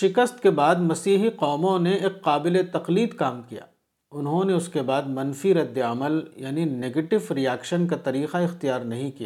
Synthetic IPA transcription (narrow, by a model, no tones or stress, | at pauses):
ʃɪkəst̪kebaːd̪mɐsiːɦiqɔːmõneeːqːaːbɪlet̪ɐqliːd̪kaːmkija̰ː | ʊnɦõneʊskebaːd̪mɐnfiɾɐd̪ːeɐməljaːnineːɡeːʈɪʋɾijaːkʃənkat̪ɐɾiːqaɪxt̪ijaːɾnɐɦĩkijaː